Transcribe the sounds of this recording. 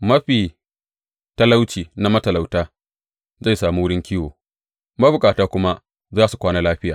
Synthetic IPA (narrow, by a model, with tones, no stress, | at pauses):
mɐ˦ɸiː˨ | ta˦la˦wt͡ʃiː˨na˦mɐ˦tɐ˨la˨wtaː˦ | za˦˨jsaː˨muː˦wʊ˦ɽɪ˦ŋkʲiː˦woː˨ | mɐ˦bʊ˨kʼaː˨taː˦kʷʊ˦ma˦ | zaː˦su˨kʷaː˦naː˦laː˦ɸɪ˦jaː˨